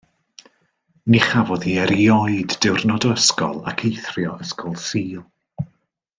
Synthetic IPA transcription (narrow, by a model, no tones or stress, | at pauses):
niχavɔðiɛɾiɔjdːɪwrnɔdɔəskɔ̰lˠa̰kʰejθrjɔəskɔlˠsiːlˠ